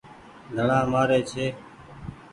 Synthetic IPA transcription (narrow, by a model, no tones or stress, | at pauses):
d̪ʱəɳãːmaːɾeːt͡ʃʰeː